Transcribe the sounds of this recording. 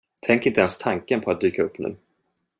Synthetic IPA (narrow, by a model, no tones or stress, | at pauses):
t̪ʰɛŋkɪnt̪əɛnst̪ʰaŋkənpʰɔat̪̚d̪yːkaɵpːnʉ̟̰ː